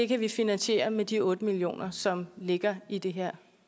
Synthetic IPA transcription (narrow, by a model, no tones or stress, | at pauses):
de̝kʰæʋifinænɕe̝̰ːɐmed̥iɔ̽ːd̥əmilijo̝̰ːnɐsɒ̽mle̝ɡ̥ɐid̥e̝ɦeɐ̰